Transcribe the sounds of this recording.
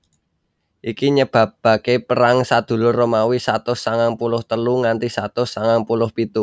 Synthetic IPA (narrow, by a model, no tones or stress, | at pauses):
ʔikiɲəb̥a̤pb̥a̤kepəɾaŋsad̪̥ṳlʊrːomawisat̪ʊsaŋaŋpulʊht̪əluŋant̪isat̪ʊsaŋaŋpulʊhpit̪u